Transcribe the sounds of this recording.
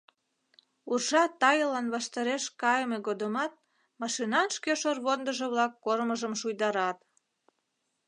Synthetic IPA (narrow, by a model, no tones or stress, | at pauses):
urʒɑt̪ɑjəlɑnβɑʃt̪ɑɾeʃkɑjəmeɣod̪əmɑt̪̚ | mɑʃinɑnʃkeʃorβond̪əʒeβlɑkːoɾməʒəmʃujd̪ɑɾɑt̪